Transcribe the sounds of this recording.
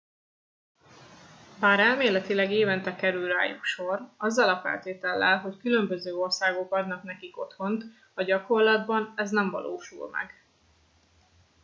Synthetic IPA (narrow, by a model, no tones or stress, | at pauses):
baːɾɛlmeːlɛt̪ilɛɡeːvɛnt̪ɛkɛɾylra̰ːjṵkʃo̞rɒzːɒlɒfɛ̰lt̪eːt̪ɛlːɛ̰lɦo̞ckylø̞mbø̞zøːo̞rsaːɡo̞kɒd̪nɒknɛkiko̞t̪ho̞nt̪ | ɒɟɒko̞rlɒd̪bɒnɛznɛɱvɒ̰lʔo̰ːʃṵlmɛ̰ɡ